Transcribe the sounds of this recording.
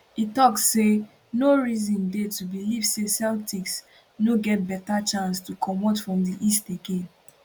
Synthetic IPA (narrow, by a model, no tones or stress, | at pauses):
itɔksːe | noɹizɔ̃ndetubilivsesɛltiks | noɡɛt̚bɛtat͡ʃãnstukʰɔmotfɹɔ̃mdiʔisteɡẽn